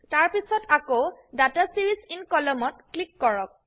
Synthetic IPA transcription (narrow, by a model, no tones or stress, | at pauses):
taɹpisɔtakodatasiɹisinkɔlɔmɔt̚klikːɔɹɔk̚